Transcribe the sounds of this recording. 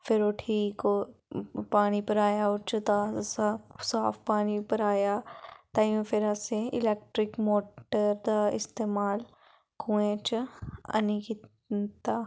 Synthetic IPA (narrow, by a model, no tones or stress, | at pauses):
fɪɾoːʈʰiːkoːpaːnipɐɾaːjaoɾt͡ʃɐt̪asasaːfpaːnipɐɾaːjaːt̪aːjũfɪɾaseɪ̰lɛːk̚ʈɾɪkmoːʈəɾd̪aɪst̪eːmaːl | kũːẽt͡ʃɐ̰niki | t̪a